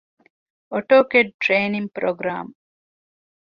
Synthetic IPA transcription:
oʈoːkeɖ̚ʈɾeːniŋpɾoɡɾa̰ːm

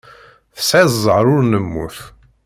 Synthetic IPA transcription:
θə̥sʕæzzˤəʕɾˤʊɾnəmːṵθ

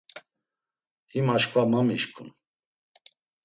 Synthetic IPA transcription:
himaʃkvamamiʃkʰṵn

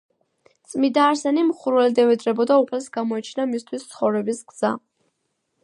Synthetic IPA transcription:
t̪sʼmid̪aːɾsɛnimχuɾvɛld̪ɛvɛd̪ɾɛbɔd̪aupʰlɛsɡamɔɛt͡ʃʰnamist̪ʰwist̪sʰχɔvɾɛbisɡz̥a̰

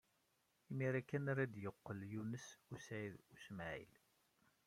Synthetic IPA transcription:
imiɾækːænaɾad̪jəqːəljunəsusʕiðusmʕḭl

